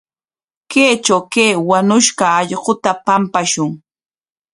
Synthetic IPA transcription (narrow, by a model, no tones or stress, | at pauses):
keːt͡ʃawkeːwanʊʃɢɑːʎɢʊt̪apampaʃʊŋ